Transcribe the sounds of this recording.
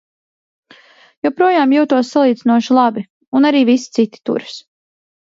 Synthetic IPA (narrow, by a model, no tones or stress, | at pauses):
jɔpɾuɔjaːmjuːt̪uɔsːalˠiːd̪zinuɔʃulˠabi | unaɾiːvisi̥t̪sit̪i̥t̪ṵɾs